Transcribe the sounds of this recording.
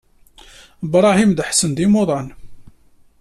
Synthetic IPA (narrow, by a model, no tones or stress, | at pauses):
əbɾˤɑhimd̪əħsənd̪imoðˤɑn